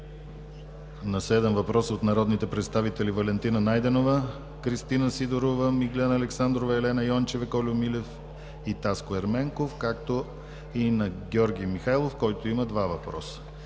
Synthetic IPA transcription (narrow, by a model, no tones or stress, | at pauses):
nɐsɛd̪ɛmvɐpɾɔsot̪nɐɾɔd̪nit̪ɛpɾɛt̪st̪avit̪ɛlivɐlɛnt̪inənajd̪ɛnovə | kɾist̪inəsid̪oɾovəmiɡlʲɛnɐːlɛksand̪ɾovəɛlɛnɐjɔnt͡ʃɛvɛkɔlʲʊmilɛf | it̪askoɛɾmɛŋkofkakt̪o | inɐɡʲɔɾɡʲijmixajlˠofkɔjt̪oiməd̪vavɐpɾɔ̰sə̥